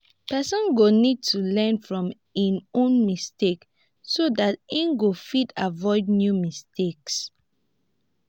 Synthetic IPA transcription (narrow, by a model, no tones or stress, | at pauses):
pɛsɔ̃nɡonid̚tʰulɛ̃nfɹɔ̃m | inõnmistek | sodatĩnɡofitavɔɪd̚njumisteks